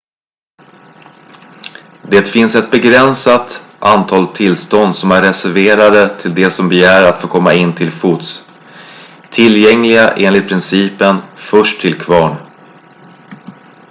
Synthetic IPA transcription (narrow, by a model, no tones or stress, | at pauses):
d̪eːt̪fɪnsɛt̪̚bɛɡɾɛnsat̪ʔant̪ʰɑːlt̪ʰːɪlst̪ɔnd̪sɔmæɾɛsæɾveːɾad̪ət̪ʰɪld̪ɛsɔmbɛjæːɾɾat̪foːkʰɔmːaɪnːt̪ʰɪlfuːt̪s | t̪ʰɪljɛŋlɪɡaʔeːnlɪt̪̚pʰɾɪnsiːpənfœʂʈʰɪlkʰvɑːɳ